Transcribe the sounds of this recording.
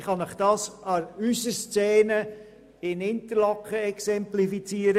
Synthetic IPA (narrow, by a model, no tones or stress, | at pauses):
χɑnɪχd̥ɑːsɑɾysəst͡sɛːnə | ɪnɪntəɾlɑkχəɛksɛmplifit͡siːəɾə